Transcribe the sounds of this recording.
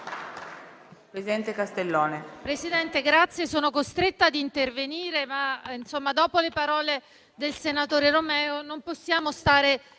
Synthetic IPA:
pɾesid̪ɛnt̪ekast̪elːoːnepɾesid̪ɛnt̪eɡɾat̪sːjesoːnokost̪ɾet̪ːad̪int̪erveniːɾemainsomːad̪ɔːpolepaɾɔːle | d̪elsenat̪oːɾeromɛːonomposːjaːmost̪aːɾe

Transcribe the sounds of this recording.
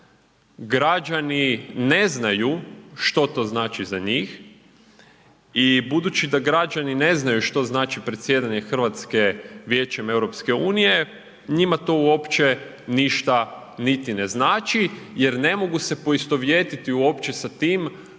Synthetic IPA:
ɡɾad͡ʒanine̞znajuʃt̪o̞t̪o̞ːznaːt͡ʃizaɲix | ibud̪ut͡ʃid̪aɡɾad͡ʒanine̞znajuʃt̪o̞znaːt͡ʃipɾet̪sje̞d̪aɲe̞xr̩ʋat̪ske̞ʋje̞ːt͡ʃe̞me̞wɾo̞pske̞uːnije | ɲimat̪o̞uo̞pt͡ʃe̞ | niʃt̪a | nit̪ineznaːt͡ʃijeɾne̞mo̞ɡuse̞po̞ist̪o̞ʋjeːt̪it̪iuo̞pt͡ʃesat̪iːm

